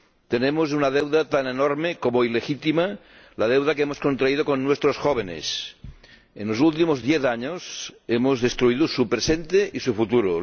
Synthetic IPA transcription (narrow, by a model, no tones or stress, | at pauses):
t̪enemos̬unað̞ewðat̪anenoɾmekomoilexit̪ima | lað̞ewðakeemoskont̪ɾaið̞okonːwest̪ɾosxoβ̞enḛs | enlosult̪̬imozðjeθaɲosemozðest̪ɾuiðosupɾesent̪eʔisufut̪uɾo